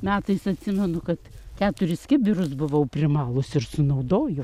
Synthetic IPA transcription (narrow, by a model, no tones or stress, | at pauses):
mʲæːt̪ɐɪsɐt̪ʲsʲɪmʲɛnʊkɐt̪kʲæːt̪ʊɾʲɪsʲkʲɪbʲɪrʊsbʊʋɐʊpʲrʲɪmɑːlˠʊsɪrsʊnɐʊd̪oːjo